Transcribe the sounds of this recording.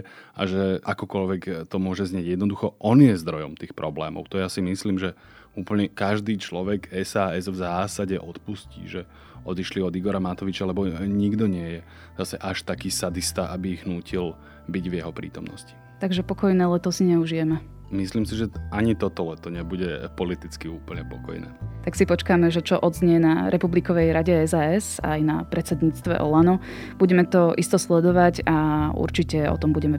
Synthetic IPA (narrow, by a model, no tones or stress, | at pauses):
a̰ʒɛʔakɔkɔlʋɛkt̪ɔmʊɔʒɛzɲɪɛɟjɛd̪nɔd̪uxɔʔɔnjɛzd̪ɾɔjɔmt̪iːxpɾɔblɛːmɔ̰ʊt̪ɔjasimisliːmʒɛ | uːpl̩ɲɛkaʒd̪iːt͡ʃlɔʋɛɡɛsaːɛzvzaːsaɟɛʔɔt̪puscḭːʒɛ | ɔd̪iʃliɔd̪iɡɔɾamat̪ɔʋit͡ʃalɛbɔɲiɡd̪ɔɲɪɛjɛ | zasɛʔaʃt̪akiːsad̪ist̪aʔabiːɣnuːcʰil | biɟvjɛɦɔpɾḭːt̪ɔmnɔ̰sci̥ | t̪aɡʒɛpɔkɔjnɛːlɛt̪ɔsiɲɛuʒijɛmɛ | misliːmsiʒɛaɲit̪ɔt̪ɔlɛt̪ɔɲɛbuɟɛpɔlit̪it͡skiuːpl̩ɲɛpɔkɔ̰jnɛ̰ːt̪aksipɔt͡ʃkaːmɛʒɛt͡ʃɔʔɔd̪zɲɛɛnaɾʔɛpublikɔʋɛjɾaɟɛɛzaːɛza̰jnapɾʔɛt̪t͡sɛd̪ɲiːt͡st̪ʋɛ̰ʔɔ̰lanɔ | b̥uɟɛmɛt̪ɔʔist̪ɔslɛd̪ɔʋaɟaṵɾt͡ʃicɛɔ̰t̪ɔmbuɟɛmɛ